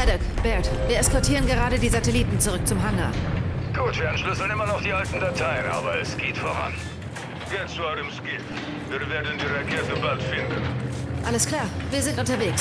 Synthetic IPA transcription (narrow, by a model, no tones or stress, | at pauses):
ʔɛdɛkb̥ɛɐtv̥iːɐɛskɔɐtʰiːʁ̞ənɡəʁaːɾədiːzatɛliːtn̩t͡sʊʁ̞ʏk̚t͡sʊmɦaŋɐɡ̥uːtv̥iːɐanʃlʏsl̩nʔɪmɐnɔχd̥iːʔaltn̩datʰaɪənʔa̰ːbɐɛ̰sɡ̥eːtfoːʁa̰n | jɛt͡st͡suadəmskɪ | viːɾveːɐdn̩diʁɛk̚ɛɐt̚ðəbaltfɪndn̩ʔaləskʰl̥aːɐviːɐzɪntʔʊntɐveːks